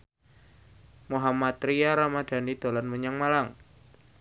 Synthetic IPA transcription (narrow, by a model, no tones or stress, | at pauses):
muɦamat̪̚ɾijaɾamad̪̥a̤nid̪̥o̤lanmuɲaŋmalaŋ